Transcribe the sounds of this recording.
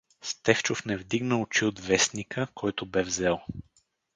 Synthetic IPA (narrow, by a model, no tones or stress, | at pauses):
st̪ɛft͡ʃofnɛvd̪iɡnəʊt͡ʃiod̪vɛsnikʰəkʰɔjt̪ʊbɛvzɛlˠ